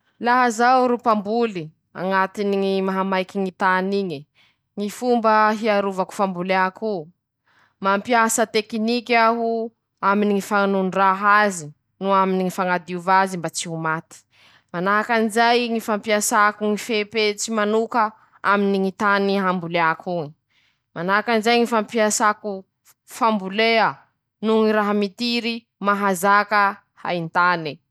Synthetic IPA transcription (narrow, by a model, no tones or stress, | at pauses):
laɦazawɾupambuli | a̰ŋat̪iniŋimaɦamajkiŋit̪aniɲi | ŋifumbəɦiaɾuvaku̥fambulaku | mampiasət̪ekinikʲaɦu | aminiŋifanunraɦazi | nuaminiŋifaŋad̪iuvazimbat͡siɦumat̪i̥ | manaɦkanizajŋifampiasakuŋifepet͡simanukə | aminiŋit̪aniɦambuleakʰuŋi | manakanizajŋifampiasaku | fambuleə | nuŋiɾaɦamit̪iɾi | maɦazakə | ha̰int̪ani